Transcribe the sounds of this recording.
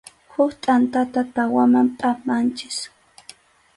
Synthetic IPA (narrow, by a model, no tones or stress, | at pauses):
hʊkt̪ʼant̪at̪at̪awamampʼapant͡ʃɪ̥s